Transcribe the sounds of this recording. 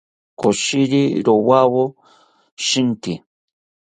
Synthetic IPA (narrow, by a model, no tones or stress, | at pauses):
koʃiɾiɾowawo | ʃint̪i